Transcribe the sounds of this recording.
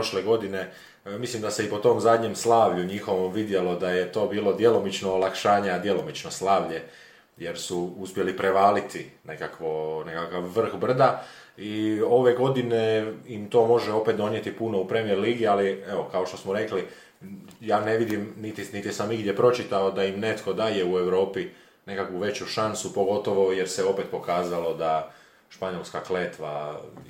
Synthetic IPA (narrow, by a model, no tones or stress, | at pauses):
pɾoʃleɡo̞d̪ine̞ | mislimd̪aseipo̞t̪o̞mzad̪ɲe̞mslˠaːʋʎuɲixo̞ʋomʋid̪je̞lo̞d̪aje̞t̪o̞ːbiːlo̞d̪je̞lo̞mit͡ʃnoːlˠakʃaːɲead̪je̞lo̞mit͡ʃnoslaːʋʎe | jeɾsuuspje̞lipɾe̞ʋaːlit̪ine̞kakʋone̞kakaʋːr̩xbr̩d̪a | io̞ʋe̞ɡo̞d̪ine̞imt̪o̞ːmo̞ʒeo̞pe̞t̪̚d̪o̞njet̪ipuno̞upɾe̞mieɾliːɡialieo̞kao̞ʃt̪osmoɾe̞kli | jaːne̞ʋid̪imnit̪init̪ijsamiɡd̪je̞pɾo̞t͡ʃit̪aod̪aimne̞t̪ko̞d̪aːje̞ue̞wɾo̞ːpi | ne̞kakʋuʋe̞t͡ɕuʃansupo̞ɡo̞t̪o̞ʋo̞je̞ɾseo̞pe̞t̪po̞kaːzalo̞d̪a | ʃpaɲo̞lˠskakleːt̪ʋa̰